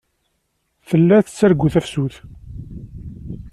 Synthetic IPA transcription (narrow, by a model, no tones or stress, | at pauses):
θəlːæθət͡sːæɾɡuθæfsuθ